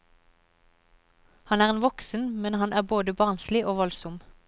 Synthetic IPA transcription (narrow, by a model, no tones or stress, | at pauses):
hɑnæːʁeːnʋɔksn̩mɛnhɑnʔæːboːd̪əbɑːnslɪʔoːʋɔlsʊm